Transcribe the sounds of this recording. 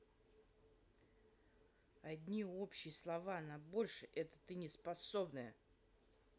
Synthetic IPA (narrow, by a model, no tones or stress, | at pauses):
ɐd̪ʲnʲio̞pɕːɪjəslˠɐvanɐbo̞lʲʂɨʔɛt̪ə̥t̪ɨnʲɪspɐso̞bnɨjə